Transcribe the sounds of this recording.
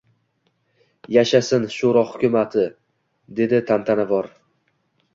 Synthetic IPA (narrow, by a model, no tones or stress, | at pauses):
jaʃasɪnʃoɾɒhʊkʲʊmat̪ʰɪ | d̪e̞d̪ɪt̪ʰamt̪ʰanavɒɾ